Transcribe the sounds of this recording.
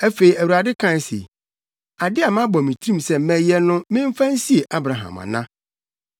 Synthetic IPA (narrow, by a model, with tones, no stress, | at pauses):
æ˦fe˨i˨æ˨wu˨ɾa˨dɪ˦kʰã˦˨n˦sḛ˨ | a˨dɪ˦a˨mã˦bɔ˨mĩ˨tʰĩ˦˨msɛ˦mɛ̃˨jɛ˦nʊ̃˦mɪ̃˦m̩˦fã˦n̩˦si˦e˨ʔa˦bɾa˨ɦã̰˨ma̰˨nã̰˦